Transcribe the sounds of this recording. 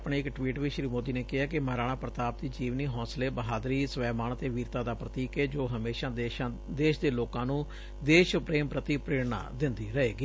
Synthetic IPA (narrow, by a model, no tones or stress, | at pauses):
pɳeːɪkʈʋiːʈʋiːʃɾiːmoːd̪iːneːkɪaːkɪməɾaːɽ̃aːpɾət̪aːp̚t̪iːd͡ʒiːʋniːɦɔ̃ːsleːbəɦaːd̪ɾiːsəʋɛːmaːnt̪eːʋiːɾt̪aːd̪aːpɾət̪iːkeːd͡ʒoːɦəmeːʃãːʃa | d̪eːʃd̪eːloːkãːnũː | d̪eːʃpɾeːmpɾət̪iːpɾeːɽna̰ːd̪ɪnd̪iːɾəɦeːɡiː